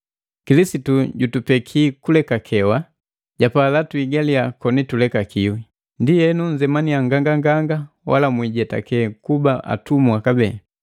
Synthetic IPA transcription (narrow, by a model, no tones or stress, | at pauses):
kilisituɟutupɛkʰiːkulɛkakʰɛwa | ɟapaːlatuiɡaliakɔnitulɛkakiwi | ndijɛnuɲ̩d͡ʒɛmanijaŋɡaŋɡaŋɡaŋɡa | wʔa̰lamwiɟɛta̰kɛkubaʔa̰tumwakabɛa